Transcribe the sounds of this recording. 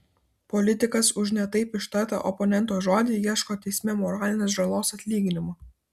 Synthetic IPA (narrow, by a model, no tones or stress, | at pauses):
pɔlʲɪt̪ʲɪkɐsʊʒʲnʲɛt̪ɐɪpɪʃt̪ɐˑt̪ɐ̰ʔɔpɔnʲɛnt̪oːʒoːd̪ʲiːjiɛʃkoːt̪ʲɛɪsʲmʲeːmɔɾaːlʲɪnʲeːsʒɐlˠoːsɐt̪ʲlʲiːɡʲɪnʲɪmoː